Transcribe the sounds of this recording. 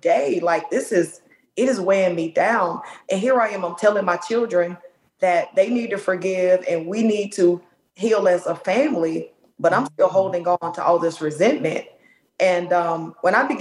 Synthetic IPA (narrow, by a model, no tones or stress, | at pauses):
d̥eɪlaɪk̚ðɪsɪz | ɨɾɨzweɪɪ̃ŋmidãʊ̃nʔɨ̃nɦiɹaɪɨ̃mãɪ̃mtʰɛlˠɪ̃ŋmaɪt͡ʃʰɪlˠdɹɨ̃n | ðɨt̪̚ðeɪnid̚tɨfə˞ɡɪvɨ̃nwinid̚tʰə | ɦilˠɨzəfæ̃mli | b̥ʌɾãɪ̃mstɪlˠɦoʊlˠdɪ̃ŋə̃ntʰəʔɔlˠðɪsɹɨzɛ̃nmɨ̰̃nt̚ | ʔɨ̃nʌ̃mwə̃ñaɪbɨɡ